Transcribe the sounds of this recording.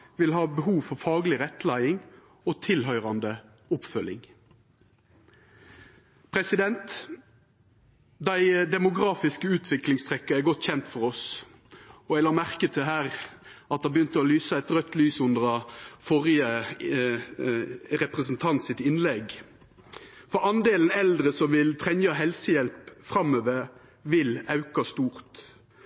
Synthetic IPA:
ʋɪlhɑːbəɦuːʋfɔʁfɑːɡlɪʁɛt̪ːlæɪɪŋ | oːt̪ʰɪlɦœʏʁɑnd̪ə | ʊpfœlɪ̰ŋ | pʰʁɛsɪd̪ɛnt̪ | d̪æɪd̪ɛmʊɡʁɑːfɪskəʉːt̪ʰʋɪklɪŋst̪ʁɛkːɑæɡɔt̪ːçɛnt̪fɔʁɔs | ɔɛɡlɑːmæʁkət̪ʰɪɦæːʁɑt̪̚d̪ɑbəjʏnt̪əɔlyːsɑɛt̪ʁœt̪ːlyːsʊnd̪əʁɑfɔʁɪə | ʁɛpʁəsn̩t̪ʰɑnt̪sɪt̪ɪnlɛɡ | fɔɑnd̪eːln̩ɛld̪ɾəsɔmʋɪlt̪ʰʁɛɲɑɦɛlsəjɛlpfʁɑmøːʋəɾ | ʋɪlɑʉkɑst̪uːʁt̪

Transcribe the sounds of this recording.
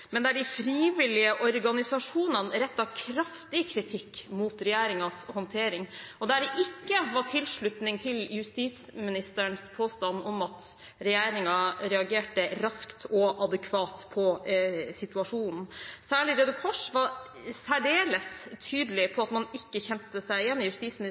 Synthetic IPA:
mɛnd̪æɖɪfɾiːʋɪlɪəʔɔɾɡɑnɪsɑʂuːnɑnɾɛt̪ːɑkʰɾɑft̪ɪkʰɾɪt̪ʰɪkːmuːt̪ɾɛjæːɾɪŋɑshɔnt̪ʰeːɾɪŋɔd̪æɖɛʔɪkːəʋɑʈʰɪlʂɭʉt̪nɪŋt̪ʰɪljʉst̪iːt̪smɪnɪst̪əɳspʰoːst̪ɑnːɔmɑt̪ | ɾɛjæːɾɪŋɑɾɛɑɡeːʈəɾɑskt̪ʰɔʔɑd̪əkʰʋɑːt̪pʰɔsɪt̪ʉɑʂuːnn̩sæːɭɪɾɛd̪ʊkʰɔʂʋɑɾ | sæɖeːləst̪ʰyːd̪lɪpʰɔɑt̪mɑnɪkːəçɛnt̪əsæɪjɛnːɪjʉst̪iːsmɪn

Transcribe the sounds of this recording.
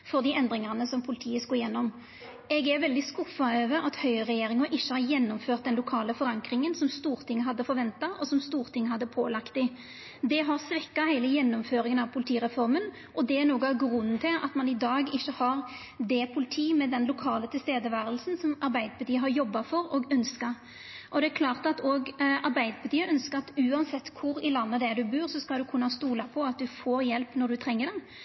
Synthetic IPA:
fɔɾd̪iɛnd̪ɾɪŋɑʁnəsɔmpʰʊlɪt̪ʰiːəskoːjɛnːɔm | ʔɛɡæɾʋɛld̪ɪskʊfːɑøːʋəɾɑt̪hœʏəʁɛjeːɾɪŋɑʔɪçːəhɑɾjɛnːɔmføːt̪̚d̪ɛnlʊkʰɑːləfɔɾɑŋkɾɪŋənsɔmst̪uːɾt̪ʰɪŋːəɦɑd̪ːəfɔɾʋɛnt̪ɑʔɔsɔmst̪uːɾt̪ʰɪŋːhɑd̪ːəpʰoːlɑkt̪ɪ | d̪ɛɦɑɾsʋɛkːɑhæɪləjɛnːɔmføːɾɪŋənɑʋpʰʊlɪt̪ʰiːɾɛfɔɾmən | ʔɔd̪ɛæɾnuːɡɑɡɾʉnːt̪ʰɪlɑ̰t̪mɑnɪd̪ɑːɡɪçːəhɑɾ | d̪ɛpʰʊlɪt̪ʰiːmɛd̪ɛnlʊkʰɑːlət̪ʰɪlst̪eːd̪əʋæːɾəlsnsɔmɑɾbæɪd̪əpʰɑɾt̪ʰiːəɦɑɾjɔbːɑfɔɾɔɡœnskɑɾ | ʔɔd̪ɛækʰlɑːʁt̪ɑt̪oːɡɑɾbæɪd̪əpʰɑɾt̪ʰiːəʔœnskəɾɑt̪ʉːɑnsɛt̪ːkʰʊɾɪlɑnːəd̪ɛd̪ʉbʉːɾsɔskɑld̪ʉkʰʉnːɑst̪uːlɑpʰɔɑt̪̚d̪ʉfoːɾjɛlpnɔd̪ʉt̪ʰɾɛŋːəɖɛn

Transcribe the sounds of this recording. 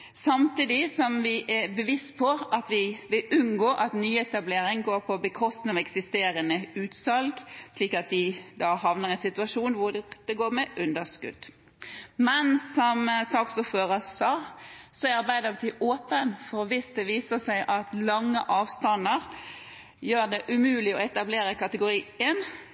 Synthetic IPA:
sɑmt̪iːd̪ɪsɔmʋɪʔɛbəʋɪst̪pʰɔʔɑt̪ʋɪʋɪlʔʉnɡoːʔɑt̪nyːɛt̪ɑbleːɾɪŋɡoːɾpʰɔbəkʰɔst̪nɑʋɛksɪst̪eːɾənəʉːt̪sɑlɡsliːkɑt̪̚d̪ɪd̪ɑːhɑʋnəʁɛnsɪt̪ʉɑʂuːnʋʊd̪̥ɛɡoːɾmɛʔʉnd̪əskʉ̰d̪̥ | mɛnsɔmsɑːksʊføːɾəsɑːsɔɛɑɾbæɪd̪əɾʋt̪ʰɪʔoːpənfɔɾʋɪsd̪ɛʋiːsəsæɪʔɑt̪lɑŋːə̰ʔɑːʋst̪ɑnəɾ | jøːɾd̪ɛʔʉmʉːlɪɔɛt̪ɑbleːɾəkɑt̪əɡʊɾiːen

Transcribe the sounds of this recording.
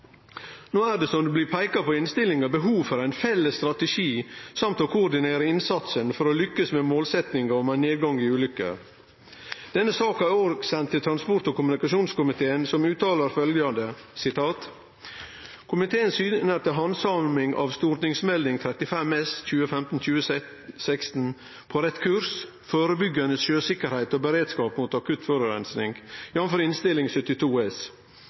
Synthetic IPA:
noːæːɖ̪ɛsɔmd̪ʉbliːpʰæɪkɑpɔɪnst̪ɪlɪŋɑbəɦuːʋfɔɾæɪnfɛlːəst̪ɾɑt̪əʃiːsɑmt̪ɔkʰʊːɾɖ̪ɪneːɾəɪnsɑt̪sənfɔɾoːlʏkːəsmemoːlsɛt̪nɪŋɑɔmæneːd̪̚ɡɑŋiʉːlʏkə̰ | d̪̥ɛnːəsɑːkæɾoːɾɡsɛnt̪ʰːɪlt̪ʰɾɑnspɔɾʈt̪ɔkʰʊmʉnɪkɑʃuːnskʊmɪt̪ʰeːənsɔmʉːt̪ɑːləɾfœljɑnd̪əsɪt̪ʰɑːt̪ | kʰʊmɪt̪ʰeːənsyːnəɾt̪əɦɑnsɑmmɪŋɑ̰ʋst̪uːɾʈ̪nɪŋsmɛld̪ɪŋt̪ʰɾɛt̪ɪfɛmːɛsc͡çʉːəfɛmt̪n̩c͡çʉːə | sæɪkst̪n̩ | pʰoɾɛt̪kʰʉɾs | foːɾəbʏɡɑnəsʃøːsɪkːəɾhæɪt̪oːbəɾeːd̪skɑːpmuːt̪ɑkʉt̪fɔɾəɾɛ̰nsnɪŋɡjɑːʋənfɔɾɪnst̪ɪlɪŋsœt̪ːɪt̪ʰuːɛs

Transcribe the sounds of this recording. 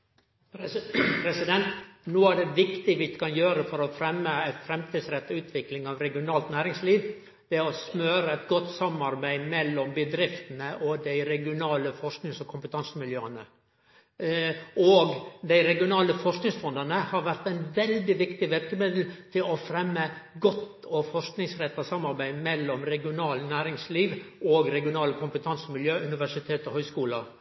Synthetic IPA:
pʰɾɛsɪd̪ɛnt̪noːæɖɛʋɪkt̪ɪʋɪkʰɑnjøːɾəfɔɾɔfɾɛmːəæɪt̪fɾɛmt̪ʰiːd̪sɾɛt̪ːʉːt̪ʰʋɪklɪŋɑːʋɾɛɡɪʊnɑːlt̪næːɾɪŋsliːʋ | d̪̥ɛɔsmøːɾəɛt̪ɡɔt̪ːsɑmɑɾbæɪmɛlːɔmbəd̪ɾɪft̪ən̩əʔɔd̪æɪɾɛɡɪʊnɑːləfɔʂknɪŋsɔkʰʊmpət̪ʰɑnsəmɪljøːənə | oːɡd̪æɪɾɛɡɪʊnɑːləfɔʂknɪŋsfɔnd̪ɑnəhɑɾʋæɾt̪æɪnʋɛld̪ɪʋɪkt̪ɪʋɪɾkəmɪd̪l̩t̪ʰɪlɔfɾɛmːəɡɔt̪ː | ɔfɔʂknɪŋsɾɛt̪ːɑsɑmːɑɾbæɪmɛlːɔmɾɛɡɪʊnɑːlnæːɾɪŋsliːʋoɡɾɛɡɪʊnɑːləkʰʊmpət̪ʰɑnsəmɪljøːʔʉnɪʋæʂɪt̪ʰeːt̪ɔhœʏskuːlɑ

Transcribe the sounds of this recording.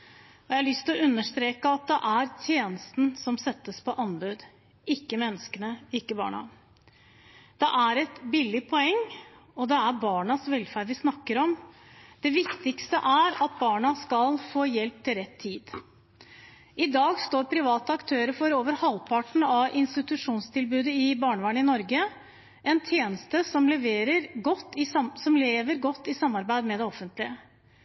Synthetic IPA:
ɔjɛhɑlʏst̪ʰɪlɔʉnːəʂt̪ɾeːkəɑt̪̚d̪ɛʔæɾt̪ʰjeːnəst̪n̩sɔmsɛt̪ːəspʰɔʔɑnbʉd̪ | ɪkːəmɛnːəskənəɪkːəbɑ̰ːɳɑ̰ | d̪̥ɛʔæɾɛt̪bɪlːɪpʰɔɛŋː | ɔd̪ɛæɾbɑːɳɑsʋɛlfæːɖʋɪsnɑkːəɾɔm | d̪̥ɛʋɪkt̪ɪkst̪əʔæɾɑt̪̚bɑːɳɑskɑlfoːjɛlp̚t̪ʰɪlɾɛt̪ʰːiːd̪ | ʔɪd̪ɑːɡst̪oːɾpʰɾɪʋɑːt̪əɑkt̪ʰøːɾəfɔɾoːʋəɾhɑlpʰɑʈɳ̩ɑʔɪnst̪ɪt̪ʉʂuːnst̪ʰɪlbʉːd̪əɪbɑːɳəʋæːɳəɪnɔɾɡə | ʔɛnt̪ʰjeːnəst̪əsɔmlɛʋeːɾəɾɡɔt̪ːɪsɔmleːʋəɾɡɔt̪ːɪsɑmːɑɾbæɪd̪mɛd̪ɛɔfːənt̪lɪə

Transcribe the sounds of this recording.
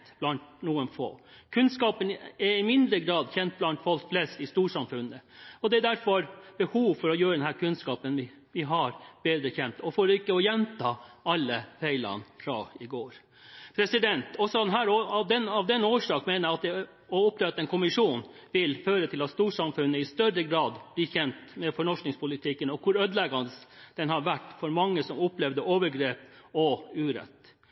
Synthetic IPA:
b̥lɑnt̪nuːənfo̰ːkʰʉnskɑːpənɛɾɪmɪnd̪ɾəɡɾɑːd̪çɛnt̪̚blɑnt̪fɔlkflɛst̪ɪst̪uːʂɑmfʉnːəɔd̪ɛæd̪æɾfɔɾb̥əhuːʋfɔɾɔjøːɾəd̪ɛnhæːɾkʰʉnskɑːpənʋɪ | ʋɪɦɑɾb̥eːd̪ɾəçɛnt̪ɔfoːɾɪkːəɔjɛnt̪ʰɑːɑlːəfæɪlɑ̰nfɾɑ̰ɪɡoːɾ | pʰɾɛsɪd̪ɛnt̪ɔsɔd̪ɛnɦæːɾoɑʋd̪ɛnɑʋd̪ɛnoːʂɑːkmeːnəɑt̪̚d̪ɛ | ɔʊpːleːʋɾɑt̪ːɛnkʰʊmɪʂuːn | ʋɪlføːɾət̪ʰɪlɑt̪st̪uːʂɑmfʉnːəɪst̪œɾəɡɾɑːd̪b̥liːçɛnt̪mɛfɔɳɔʂnɪŋspʰʊlɪt̪ʰɪkənɔkʰʊɾød̪lɛɡɑnəsd̪̥ɛnhɑɾʋæʈːfɔɾmɑŋːəsɔmʊplɛʋd̪əʔoːʋəɾɡɾeːpɔʉːɾɛ̰t̪ː

